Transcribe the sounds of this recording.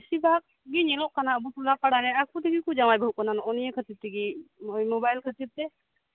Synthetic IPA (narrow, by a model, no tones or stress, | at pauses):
sibʱak̚ | ɡiɲɛlɔʔkanaəbut̪ʰulapaɽaɾɛak̚put̪iɡikud͡ʒawajbʱəɦukɔnanɔnijɛkʰət͡ʃit̪iɡiɔjmobajlkʰət͡ʃib̚t̪ɛ